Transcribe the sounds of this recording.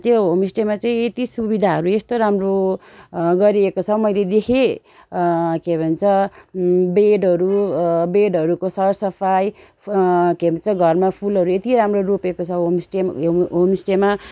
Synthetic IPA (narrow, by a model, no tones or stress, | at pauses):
t̪joɦomisʈemat͡saĩet̪isubid̪ʱaɦʌɾuest̪oɾamro | ɡʌɾiekot͡sʰʌmʌjled̪ekʰe | kebʱʌnt͡sʰʌ | beɖʌɾubeɖɦʌɾukosʰʌsʌpʰaj | kebʱʌnt͡sʰʌɡʱʌrmapʰulɦʌɾuet̪iɾamrorupekot͡sʰʌɦomisʈeɦomisʈema